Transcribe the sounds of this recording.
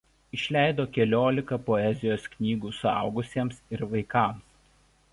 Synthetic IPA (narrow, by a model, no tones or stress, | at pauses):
ɪʃʲlʲæˑɪd̪oːkʲɛlʲoːlʲɪkɐpɔɛzʲɪjoːsknʲiːɡuːsʊɑ̰ˑʊɡʊsʲiɛmsɪɾʋɐɪkɐˑms